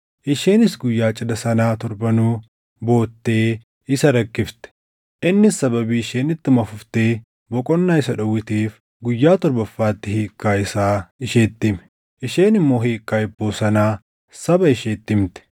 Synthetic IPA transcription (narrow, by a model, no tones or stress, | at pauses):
ʔɪʃeːnɪsɡʊjːaːt͡ʃʼɪd̪ɐsɐnaːt̪ɔɾbɐnuː | bo̞ːt̪ːeː | ɪsɐɾɐkːɪft̪ɛ̥ | ʔɪnːɪsɐbɐbiːɪʃeːnɪt̪ːɪmɐfʊft̪eː | bɔkʼɔnːaːɪsɐᶑɐwɪt̪iːf | ɡʊjːaːt̪ɔɾbɐfːaːt̪ːɪhiːkːaːɪsaːɪʃeːt̪ːɪmɛ̥ | ʔɪʃe̞ːnɪmːo̞ːɦiːkʼːaːɪbːoːsɐnaː | sɐbɐɪʃeːt̪ːɪmt̪ɛ̥